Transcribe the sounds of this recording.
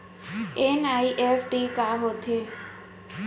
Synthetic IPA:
enaiʔefʈikaɦot̪ʰe

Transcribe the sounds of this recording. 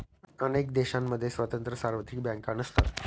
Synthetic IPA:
ənek̚d̪eɕãmːəd̪ʱːjesʋət̪ənt̪ɾəsaɾʋət̪ik̚bjãŋkanəst̪at̪

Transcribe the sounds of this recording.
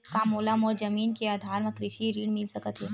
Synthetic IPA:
kamoːlamoːɾd͡ʒəmiːnkeaːd̪ʱaːɾməkɾɪʃiɾiːɽmɪlsɐkət̪ɦɛː

